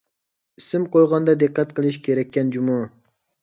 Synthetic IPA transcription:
isɪmqojʁɑnd̪ɑd̪ɪqːɑt̪qʰəlˠɪʃkʲʰeɾɛkʲːɛnd͡ʒumɑ

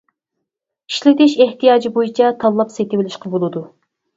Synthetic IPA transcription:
i̥ʃlɪd̪ɪʃeht̪ijɑːd͡ʒibojit͡ʃʰɑt̪ʰɑlˠːɑpset̪ɪwɪlɪʃqɑbolˠɨd̪u

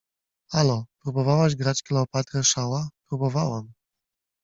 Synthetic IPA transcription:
alɔpɾubɔvawaʑɡɾat͡ɕklɛːpat̪ɾɛʂawapɾubɔvawam

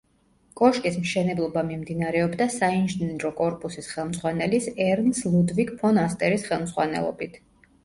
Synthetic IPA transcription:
kʼɔʃkʼismʃɛnɛblˠɔbamimd̪inaɾɛɔbd̪asainʒiniɾɔkʼɔɾpʼusisχɛlˠmzʁwanɛlisɛɾnslˠud̪vikpʰɔnast̪ʼɛɾisχɛlˠmzʁwanɛ̰lˠɔ̰bit̪ʰ

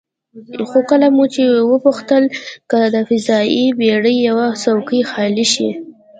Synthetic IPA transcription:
xokəlamut͡ʃewəpuxt̪əlkəd̪əfɪzɑibeɽəjːawasawkəjxɑliʃḭ

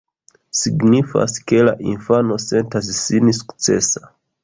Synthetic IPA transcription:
siɡnifa̰ske̞la̰ʔinfano̞se̞ntas̬ːinisu̥kt͡se̞̰sa

